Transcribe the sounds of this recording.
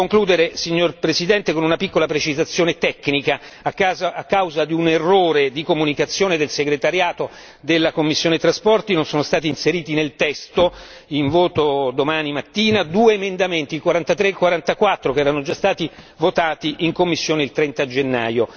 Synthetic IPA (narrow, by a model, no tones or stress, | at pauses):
koŋkluːd̪eɾesiɲːorpɾesid̪ɛnt̪ekonunapikːolapɾet͡ʃizat̪sːjoːnet̪ɛkːnikaː | kːazaakːawzad̪iunerːoːɾed̪ikomunikat̪sːjoːned̪elseɡɾet̪aɾjaːt̪o | d̪elːakomːisːjoːnet̪ɾaspɔrt̪inonsoːnost̪aːt̪̬iːnseɾiːt̪inelt̪ɛst̪o | iɱvoːt̪od̪omaːnimat̪ːiːnad̪uːeːmend̪ament̪iːlkwaɾant̪at̪ɾeilkwaɾant̪akwat̪ːɾokɛːɾanod͡ʒast̪aːt̪i | vot̪aːt̪iʔiŋkomːisːjoːneilt̪ɾɛnt̪ad͡ʒenːa̰ːjo